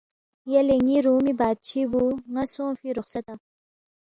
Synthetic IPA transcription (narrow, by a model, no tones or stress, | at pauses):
jaleŋiɾuːmibaːd̪̚t͡ɕʰibuŋasõːfiɾʊχsɐt̪a